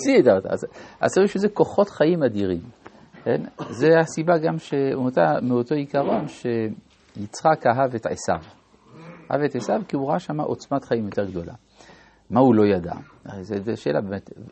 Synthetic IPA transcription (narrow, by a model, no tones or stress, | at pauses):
sidat̪a̰zʔa̰seʁiʃezeko̞χo̞tχaimadiʁim | kḛnzeasibaɡamʃeunotameoto̞ikaʁo̞nʃe̞ | jit͡sχakaɦavetʕḛsa̰v | ha̰vetʕesavkiuʁaaʃamaʔot͡smat̪χaimjo̞te̞ʁɡd̪o̞lʔa̰ | maulo̞jada̰ | ezezeʃeːla̰bemet̪